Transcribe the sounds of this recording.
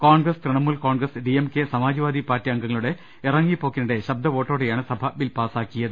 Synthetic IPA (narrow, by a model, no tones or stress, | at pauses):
koːɳɡrɐskrɨɳɐmːuːlkoːɳɡrɐsɖiemkesɐmaːd͡ʑiʋaːd̪ipaːɾtːiɐŋɡɐŋːɐɭuɽe̞ | irɐŋːipːo̞ːkːinɐɽe̞ɕɐb̚d̪ʱɐʋo̞ːʈːoːɽejaːɳɨsɐbʱɐbilpaːsaːkːijɐðɨ